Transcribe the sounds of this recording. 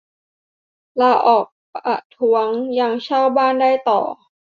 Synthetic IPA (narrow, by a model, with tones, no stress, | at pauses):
laː˧ʔɔː˨˩k̚pʔa̰˨˩t̪ʰu˧˦˥ɐŋjaː˧ŋt͡ɕʰaː˥˩wbaː˥˩ndaː˥˩jt̪ɔ̰ː˨˩